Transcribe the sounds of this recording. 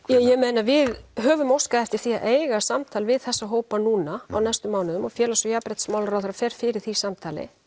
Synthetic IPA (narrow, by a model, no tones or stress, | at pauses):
jɛjɛmejnavɪðɦœːvʏmowskaðɛft̪ɪɾ̥θiːaʔeːjɣasamt̪ʰaːlvɪðθɛsːaɦoːwpanuːnaa̰wnajst̪ʏmːaːwnʏðʏmɔfjɛːlasɔjapɾɛt̪smaːwlɾawðɾafɛɾ̥fɪɾɪɾ̥θisamt̪ʰaːlɪ̰